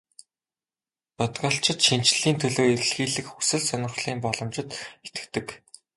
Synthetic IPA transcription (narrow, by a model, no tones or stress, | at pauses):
p̪ɔt̪ɢaːɬt͡ɕɪ̆t̪ʃint͡ɕɮiːnt̪ʰɵɮoːer̆ɮxiːɮɘ̆xxu̥sɘ̆ɮsœnʲɪ̆rχɮiːmpɔɮɞ̆mt͡ɕɪ̆t̪xet̪ɘ̆kt̪ɘ̆k